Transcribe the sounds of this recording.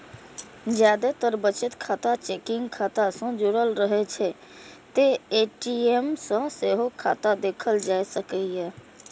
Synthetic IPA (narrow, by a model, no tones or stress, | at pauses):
d͡ʒjad̪et̪əɾbət͡ʃət̪kʰat̪at͡ʃekɪ̃ŋɡkʰat̪asə̃d͡ʒoɾəlɾəɦet͡ʃʰɛ | t̪eeʈiemsə̃seɦokʰat̪ad̪eːkʰəld͡ʒaesəkɛjɛ